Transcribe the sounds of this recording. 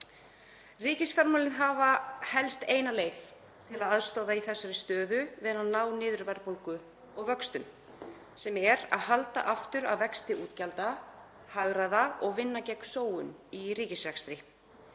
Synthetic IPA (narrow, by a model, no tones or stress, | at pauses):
riːcɪsfɛɾmɔlɪnɦaːvahɛlst̪eːjnaleːjf | t̪ʰɪlaðaðst̪ɔːðaiθɛsːʏɾɪst̪œːðʏvɪːðanaðnaːwnɪːðʏɾvɛɾpolkʏ | ɔɣvœkst̪ʏm | sɛmɛɾa̰ðhalt̪a̰ʔaft̪ʏɾa̰wvɛkst̪ɪʔuːt̪calt̪a | haɣɾaðaɔɣvɪnːacɛksoːwʏniriːcɪsvɛkst̪ɾɪ